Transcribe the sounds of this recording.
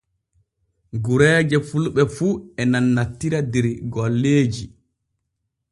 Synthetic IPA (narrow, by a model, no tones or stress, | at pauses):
ɡuɾɛːd͡ʒɛfulɓɛfuɛnanːatːiɾadɛɾɡɔlːeːd͡ʒi